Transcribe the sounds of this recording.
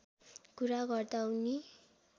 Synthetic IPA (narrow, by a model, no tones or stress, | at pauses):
kuɾaɡʌrd̪awni